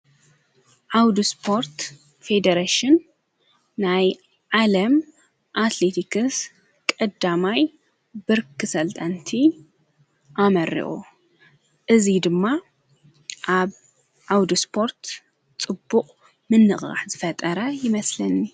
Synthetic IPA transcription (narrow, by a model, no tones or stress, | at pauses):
ʕawd̪uspʰo̞ɾt̪ | fe̞d̪ɐɾaʃɪnː | aj | ʕalɐm | ʔat̪let̪ʰikʰɨs | kʼɐd̪amaj | bɨɾkʰɨsɐlt̪ʼant̪ʰi | ʔamɐɾḭʔṵ | ʔɨzid̪ɨmːa | ʔaβ | ʕawd̪uspʰo̞ɾt̪ | t͡sʼɨbːuqʼ | mɨnːɨχʼɣa̰ħzɨfɐt̪ʼɐɾɐjɪmɐslɐnːi